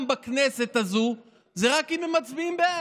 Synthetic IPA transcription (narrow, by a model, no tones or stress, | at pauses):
mbakne̞se̞t̪azu | zeʁakimemat͡sbiimbea